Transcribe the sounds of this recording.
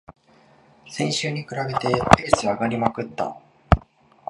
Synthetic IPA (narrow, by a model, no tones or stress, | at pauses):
sẽ̞ɰ̃ɕɨːɲ̟ikɯ̟ɾabe̞t̪e̞pe̞ːsɨaɡaɾʲimakɯ̟t̪ːa̰